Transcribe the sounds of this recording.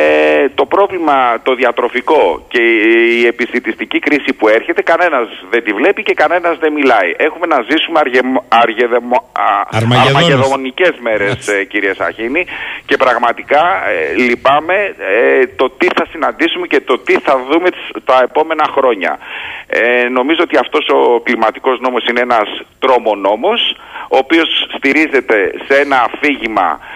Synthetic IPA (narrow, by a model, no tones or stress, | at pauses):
t̪o̞pɾo̞vlimɐt̪o̞ðiɐt̪ɾo̞fiko̞ce̞ie̞pist̪it̪ist̪icikɾisipue̞ɾçe̞t̪e̞kɐne̞nɐzðe̞nd̪ivle̞pice̞kɐne̞nɐzðe̞milɐiʔe̞xume̞nɐzisumeɾɐɾ | ɐɾmɐeðomo̞nice̞zme̞ɾe̞sciɾiesɐ̰çinice̞pɾɐɣmɐt̪ikɐlipɐme̞t̪o̞t̪iθɐsinɐnd̪isume̞ce̞t̪o̞t̪iθɐðumet̪ɐe̞po̞me̞nɐxɾo̞ɲɐ̰ | no̞mizoot̪iɐft̪o̞so̞klimɐt̪i̥ko̞zno̞mosine̞enɐst̪ɾo̞mo̞no̞mo̞s | oːpio̞sːt̪iɾize̞t̪e̞see̞nɐːfiʝimɐ̰